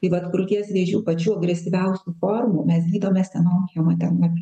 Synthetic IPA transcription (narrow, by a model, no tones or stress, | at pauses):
t̪ɐɪʋɐt̪kʊɾʊt̪ʲiɛsʋʲiɛʒʲuːpɐt͡ʃʲuːɐɡɾʲɛsʲɪʋʲɛʊsʲuːfoːrmuːmʲɛsɡʲiːd̪oːmʲɛst̪ʲɛnoːkʲejoːmɐt̪ʲɛnɐpʲ